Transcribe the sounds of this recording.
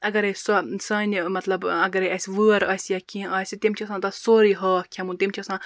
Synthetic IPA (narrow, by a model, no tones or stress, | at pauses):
ɐɡɐɾesɔsɐːnʲmɐt̪lɐbɐɡɐɾeɐsʲʋɨːɐɾɐːsʲjakĩːɐːsʲit̪iemt͡ʃʰisãːt̪ɐsoːɾiɦɐːkʲʰɐmũnt̪imt͡ʃʰɐsãː